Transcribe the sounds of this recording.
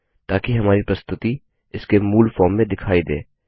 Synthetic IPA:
t̪aːkiɦɐmaːɾipɾɐst̪ʊt̪i | ɪskemuːlfɔːɾmːẽd̪ɪkʰaːid̪ḛː

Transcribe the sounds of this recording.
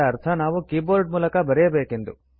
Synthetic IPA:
ɐːɾt̪ʰɐnaːʋukiːboːɾɖmuːlɐkɐbɐɾɛjɐbeːkend̪u

